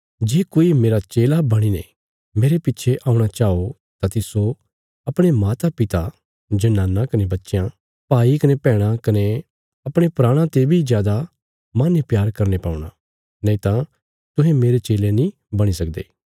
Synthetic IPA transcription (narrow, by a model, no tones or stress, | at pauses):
d͡ʒeːkoːimeːɾat͡ʃeːlabɐɽ̃inḛ | meːɾepɪtːt͡ʃʰeʔaːũɽ̃at͡ʃaːo | t̪at̪iso | ɐpɽ̃emaːt̪apɪt̪a | d͡ʒɐnãːnːãkɐnebɐtːʃjã | paːikɐnepɛːɽ̃ãkɐne | ɐpɽ̃epɾaːɽ̃ãt̪ebʱizjaːd̪a | maːnjpjaːɾkɐɾnepaːũɽ̃a | nɛ̃ĩt̪ã | t̪ʊɦẽmeːɾet͡ʃeːlenĩ | bɐɽ̃isɐk̚d̪ḛː